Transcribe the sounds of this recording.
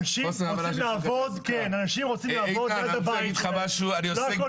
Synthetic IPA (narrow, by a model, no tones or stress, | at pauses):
ʃiot͡simlaːvod̪kenanaʃimʁot͡simlavod̪jad̪abajit̪χamaʃuaniodeko